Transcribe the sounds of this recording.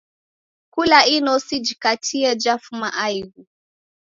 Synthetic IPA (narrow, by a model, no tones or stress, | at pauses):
kulainɔsid͡ʒikatiɛd͡ʒafumaʔajɣu